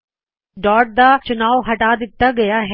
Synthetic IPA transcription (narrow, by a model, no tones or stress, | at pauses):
ɖɔːɾʈ̚d̪at͡ʃʊnaːʋɦɐʈad̪ɪt̪ːaɡɐjaɦ